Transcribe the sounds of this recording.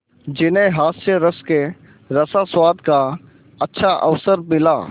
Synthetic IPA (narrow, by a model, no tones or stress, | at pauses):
d͡ʒɪnẽɦaːsjəɾəske | ɾəsaswaːd̪ka | ɐtːʃʰaʔə̰ʋsəɾmɪlaː